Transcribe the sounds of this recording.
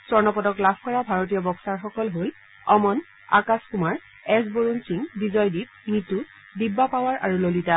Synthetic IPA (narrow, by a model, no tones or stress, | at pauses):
sɔɹnɔpɔdɔklabʱkɔɹabʱaɹot̬ijɔbɔksaɹxɔkɔlɦol | ɔmɔn | a̰kaskumaɹ | ɛsboɹunsiŋbizɔjdip̚ | nitu | dibːapawaɹʔa̰ɹulolita